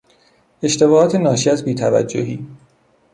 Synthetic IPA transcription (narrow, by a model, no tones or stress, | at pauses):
e̞ʃt̪e̞bɒːhɒːt̪ʰenɒːʃiːæzbiːt̪ʰævæ̰d͡ʒːohiː